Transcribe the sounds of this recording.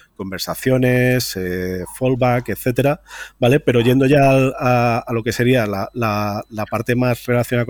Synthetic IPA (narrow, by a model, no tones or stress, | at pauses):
ko̞mbe̞ɾsaθjo̞ne̞sefo̞lβake̞t̪θe̞t̪e̞ɾabale̞pe̞ɾo̞ʝe̞nd̪o̞ʝalaːlo̞ke̞se̞ɾialalalapaɾt̪e̞mazre̞laθjonaak